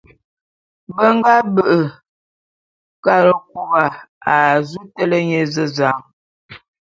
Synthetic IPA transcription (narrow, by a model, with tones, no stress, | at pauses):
bə˦ŋ˦ɡa˦bə˨ʔə˨ | ka˦˨ɾə˨k̚u˦ɣa˨a˨zu˦tə˦lə˦ɲe˨zə˦za˨˦ŋ